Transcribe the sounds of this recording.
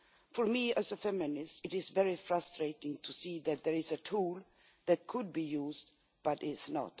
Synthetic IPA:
fɔɹmiæzəfɛmɪnɪstɨɾɪzvɛɹifɹʌstɹeɪɾɪ̃ŋtʰusiðɨt̪̚ðɛɹɪzɨtʰulˠ | ðæt̚kʰʊd̚bijuzd | b̥ʌɾɪznə̰t

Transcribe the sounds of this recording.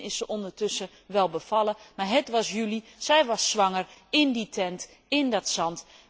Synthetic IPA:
ɪsəʔɔndərtɵsə | ʋɛlˠbəfɑlˠəmaɹɦətʋɑsjylisɛjʋɑsːʋɑŋərɪnditʰɛnt | ɪndɔtsɑnt

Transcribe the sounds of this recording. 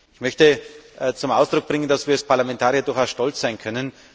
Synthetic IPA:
ʔɪçmœçtət͡sʊmʔaʊsd̥ʁʊk̚b̥ʁɪŋəndasv̥iːɐaspʰaɐlamɛ̃ntʰaːʁiɐdʊɐaʊsʃtɔlt͡sz̥aɪnkʰœnən

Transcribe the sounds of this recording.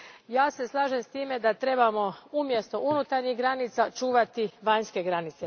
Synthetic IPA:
jaːse̞slˠaːʒe̞mst̪iːme̞d̪at̪ɾe̞bamo̞umje̞st̪o̞ʔunut̪aɾɲiɦɡɾanit̪sat͡ʃuːʋat̪iʋaɲske̞ɡɾanit̪se

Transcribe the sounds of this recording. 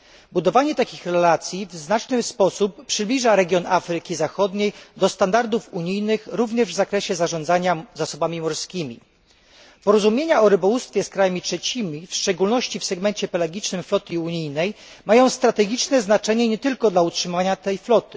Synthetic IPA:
bud̪ɔvaɲɛt̪akʲixɾɛlat̪sʲjivznat͡ʂnɘspɔsuppːʂɘblʲiʐaɾɛɡʲjɔnʔafɾɘkʲizaxɔd̪ɲejd̪ɔst̪and̪aɾd̪ufuɲijnɘxɾuvɲɛʐvzakɾɛɕɛzaʐɔ̃nd̪zaɲazasɔbamʲimɔɾskʲimʲḭ | pɔɾɔzumʲjeɲaɔɾɘbɔwust̪fʲjɛskɾajamʲitʂɛt͡ɕimʲifʂt͡ʂɛɡulnɔɕt͡ɕifsɛɡmɛnt͡ɕɛpɛlɛɡʲit͡ʂnɘmflɔt̪uɲijnɛjmajɔ̃w̃st̪ɾat̪ɛɡʲit͡ʂnɛznat͡ʂɛɲɛɲɛt̪ɘlkɔd̪lautʂɘmvaɲat̪ɛjflɔt̪ɘ̥

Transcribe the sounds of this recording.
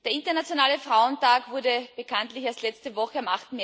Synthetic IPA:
d̥eːɐɪntɐnat͡sjonaːləfʁaʊəntaːkvʊɐdəb̥əkʰantlɪçaɐstlɛt͡stəvɔxəamʔaχtn̩me

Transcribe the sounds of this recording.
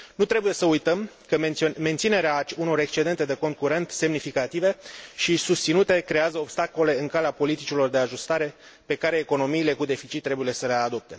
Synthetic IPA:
nut̪ɾe̞buje̞səujt̪əmkəme̞nt̪sine̞ɾeauno̞ɾe̞kst͡ʃe̞d̪e̞nt̪e̞d̪e̞ko̞nt̪̚kuɾe̞nt̪se̞mnifikat̪ive̞ʃisust̪sinut̪e̞kɾe̞azəobst̪ako̞le̞ɨŋkaleapo̞lit̪it͡ʃilo̞rd̪e̞aʒust̪aɾe̞ | pe̞kaɾe̞ːko̞no̞miːle̞kud̪e̞fit͡ʃit̪ːɾe̞buje̞səle̞ad̪o̞p̚t̪e̞

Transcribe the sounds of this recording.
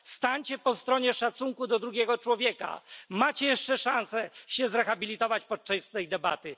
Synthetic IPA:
st̪aɲt͡ɕɛpɔst̪ɾɔɲɛʂat̪suŋkud̪ɔd̪ɾuɡʲɛɡɔt͡ʂwɔvʲjɛka̰mat͡ɕɛjɛʂt͡ʂɛʂãñsɛɕɛzɾɛxabʲilʲit̪ɔvat͡ɕpɔt̚t͡ʂast̪ɛjd̪ɛba̰t̪ɘ

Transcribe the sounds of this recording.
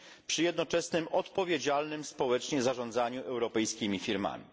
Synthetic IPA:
pʂɘjɛd̪nɔt͡ʂɛsnɘmʔɔt̪pɔvʲjed͡ʑalnɘmspɔwɛt͡ʂɲɛzaʐɔ̃nd̪zaɲuʔɛwɾɔpɛjskʲimʲifʲiɾma̰mʲḭ

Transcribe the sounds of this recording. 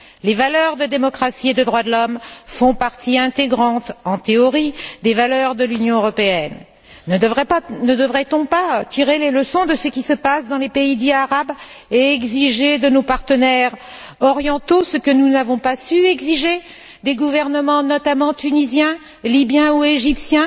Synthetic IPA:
levalœʁd̪əd̪emɔkχasied̪əd̪ʁwad̪əlɔmfɔ̃paʁt̪iɛ̃t̪eɡʁɑ̃t̪ɑ̃t̪eɔʁid̪evalœʁd̪əlynjɔ̃øʁɔpeɛn | ʁɛnəd̪əvʁɛt̪ɔ̃pat̪ʰiʁeleləsɔ̃d̪əsəkʲisəpasd̪ɑ̃lepeid̪iaʁab | eɛɡziʒed̪ənopaʁt̪ənɛʁ | ɔʁjɑ̃t̪osəkənunavɔ̃pasyɛɡziʒe | d̪eɡuvɛʁnəmɑ̃nɔt̪amɑ̃t̪ynizjɛ̃ | libjɛ̃ueʒipsjɛ̃

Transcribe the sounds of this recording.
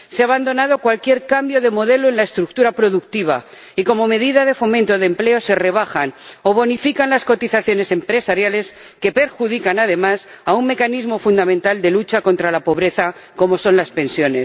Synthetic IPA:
seaβand̪o̞naðo̞kwalkje̞ɾkambjo̞ðe̞mo̞ðe̞loe̞nlaest̪ɾuk̚t̪uɾapɾo̞ðuk̚t̪iβ̞a̰ | iko̞mo̞me̞ðiðað̞e̞fo̞mẽ̞nt̪o̞ðemple̞o̞se̞re̞β̞axano̞β̞o̞nifikanlasko̞t̪iθaθjo̞ne̞se̞mpɾe̞saɾjale̞s | ke̞pe̞ɾxuð̞ikanað̞e̞mas | aumme̞kanizmo̞fund̪amẽ̞nt̪ald̪e̞lut͡ʃako̞nt̪ɾalapo̞βɾe̞θa | ko̞mo̞so̞nlaspẽ̞nsjo̞ne̞s

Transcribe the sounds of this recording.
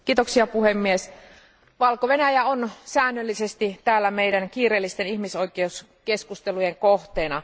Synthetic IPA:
kiːt̪oksiɑpuhemːies | ʋɑlkoʋenæjæonsæːnːølːisest̪it̪æːlːæmeidænkiːreːlːist̪enihmisojkeus | ke̞skust̪elujeŋkoht̪eːnɑ̰

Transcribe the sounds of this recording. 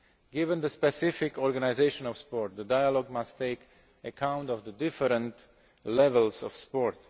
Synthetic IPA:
ɡɪvə̃nd̪əspɛsɪfɪkɔɹɡanaɪzeɪʃə̃nɔv̥spɔɹt̪̚d̪ədajəlɔɡ̚mastʰːeɪk | əkʰãʊ̃ntɔvðədɪfəɾə̃nt | lɛvəlˠsɔ̰fspɔɹt

